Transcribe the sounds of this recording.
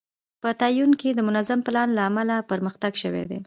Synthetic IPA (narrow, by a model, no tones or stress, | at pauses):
pət̪ɑjunked̪əmʊnazamplɑnlaːmalapəɾməxt̪aɡʃəwḛd̪ḛ